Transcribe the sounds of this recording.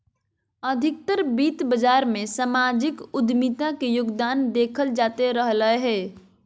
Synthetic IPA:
əd̪ʱɪk̚t̪əɾbiːt̪bəd͡ʒaːɾmẽsamad͡ʒɪkʊd̪mit̪ãkejʊɡd̪aːnd̪eːkʰəld͡ʒaːt̪eɾəɦləeɦɛː

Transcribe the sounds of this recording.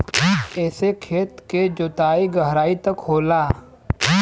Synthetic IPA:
ɛːsekʰeːt̪ked͡ʒoːt̪aːiɡɐɦɾaːit̪ɐkɦoːlaː

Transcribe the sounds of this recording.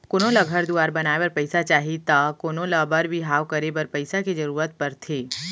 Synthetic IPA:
koːnõlaɡʱəɾd̪uaːɾbɐnaːebɐɾpɐɪsat͡ʃaːɦit̪akoːnõlabɐɾbʱiɦaːʋkɐɾebɐɾpɐɪsaked͡ʒɐɾuːɾət̪̚pɐɾt̪ʰeː

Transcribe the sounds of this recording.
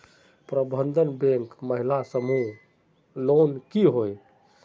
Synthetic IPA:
pɾəbʱənd̪ʱənbẽŋkməɦilasəmuɦ | lonkiɦoj

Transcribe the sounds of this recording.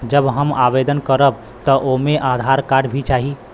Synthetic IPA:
d͡ʒəbɦəmabed̪ənkəɾəb̚ | t̪ɔʔomeʔad̪ʱaɾkaɖbʱit͡ʃaɦi

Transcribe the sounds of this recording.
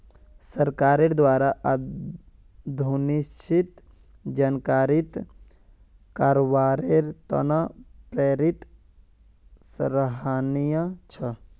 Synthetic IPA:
səɾkaɾeɾd̪waɾaʔ | d̪ʱunist͡ʃit̪ | d͡ʒankaɾit̪ | kaɾobaɾeɾt̪ə̰napɾeɾit̪ | sɾəɦanijət͡ʃʰə

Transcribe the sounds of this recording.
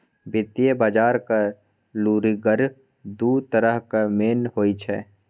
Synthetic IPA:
bɪt̪ijebaːd͡ʒaːɾka | luːɾiɡəɾ | d̪uːt̪əɾəɦkameːnɦoːit͡ʃʰɛː

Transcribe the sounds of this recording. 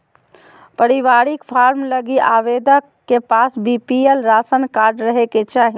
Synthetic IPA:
pəɾiʋaːɾikpʰaːɾmləɡiʔaːʋeːd̪əkkːepaːsbipielɾaːsənkaːɾɖɾəɦeket͡ʃaːɦi

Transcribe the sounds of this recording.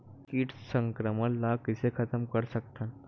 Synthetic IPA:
kiːʈsəŋkɾəməlːakisekʰət̪əmkəɾsəkt̪an

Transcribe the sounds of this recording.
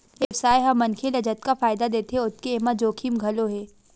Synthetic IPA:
ɪwsaːjɦɐmːɐnkʰelɐd͡ʒət̪kafaːɪd̪ad̪eːt̪eɦẽʊt̪̚keeːmad͡ʒoːkʰimɡʱɐloɦɛː

